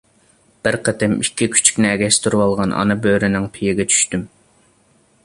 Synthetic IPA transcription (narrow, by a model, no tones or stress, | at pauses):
b̥ɪɾqʰət̪ʰɪmikʲʰːikʲʰy̥t͡ʃʰy̥kʲnɪɛɡʲɛst̪ʰuɾwɑlˠʁɑnʔɑ̰nɨbøɾɪnɪŋpʰijeɡʲɛt͡ʃʰy̥ʃt̪ym